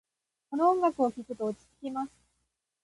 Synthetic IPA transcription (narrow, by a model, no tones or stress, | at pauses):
konoõŋɡakɯ̟okʲikɯ̟t̪oːt͡ɕi̥t͡sɨ̥kʲimasɨ̥